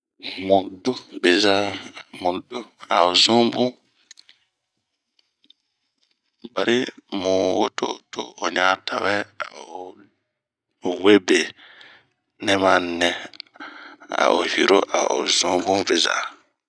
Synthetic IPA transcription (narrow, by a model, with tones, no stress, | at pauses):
mũ˨do˦be˨za˦mũ˨do˦a̰˨o˨zũ˦bũ˦ | ba˨ɾʔi˦mũ˨wo˦to˦to˦o˨ɲa˨tʰa˨wɛ˦a˨o˨ | we˦be˨ | nɛ˦ma˦nɛ̃˦ | a̰˨ʔo˨hi˨ɾo˦ʔa̰˨o̰˨zũ˦bũ˦be˨za̰ː˨